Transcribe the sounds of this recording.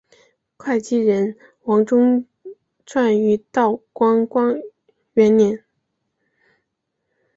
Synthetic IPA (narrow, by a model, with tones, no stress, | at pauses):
kʰwa˥˩ɪt͡ɕi˥ɻə˧˥n | wɑ˧˥ŋʈ͡ʂʊ˥ŋ | ʈ͡ʂʰwa˥˩ny˧˥t̪ɑ˥˩ʊkwɑ˥ŋkwɑ˥ŋ | ɥɛ˧˥nnjɛ˧˥n